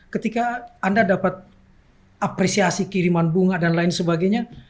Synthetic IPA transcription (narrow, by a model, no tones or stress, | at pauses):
kət̪ikaːndadapat̪̚ | apɾesiasikiɾimanbuŋadanlaɪnsəbaɡajɲa